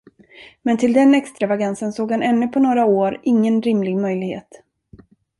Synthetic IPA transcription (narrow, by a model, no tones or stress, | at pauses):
mɛnt̪ʰɪld̪ɛnɛkst̪ɾavaɡansənsoːɡhanɛnːɵ̟pʰɔnoːɾaoːɾɪŋːənɾɪmlɪɡmœjlɪɡhḛːt̪